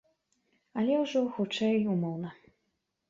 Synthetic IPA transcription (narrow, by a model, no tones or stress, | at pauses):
alʲɛwʐɔxut͡ʂɛjumɔwnɐ